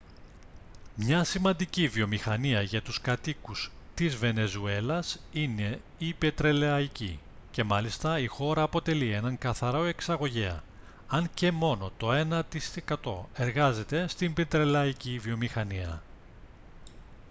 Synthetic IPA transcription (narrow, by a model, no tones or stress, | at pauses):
mɲɐsimɐnd̪icivio̞mixɐniɐʝɐt̪uskɐt̪ikust̪izve̞ne̞zue̞lɐsine̞ | ipe̞t̪ɾe̞leɐici | ce̞mɐlist̪ɐixo̞ɾɐːpo̞t̪e̞lie̞nɐŋkɐθɐɾo̞e̞ksɐɣo̞ʝeɐ̰ | ɐɲce̞mo̞no̞t̪o̞e̞nɐt̪isekɐt̪o̞e̞ɾɣɐze̞t̪e̞st̪imbet̪ɾe̞lɐicivio̞mixɐniɐ̰